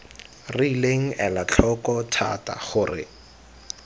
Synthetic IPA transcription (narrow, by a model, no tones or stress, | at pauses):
rɪileŋ̩ɛlat͡ɬʰɔkɔtʰa̰ta̰χʊːrɪ̰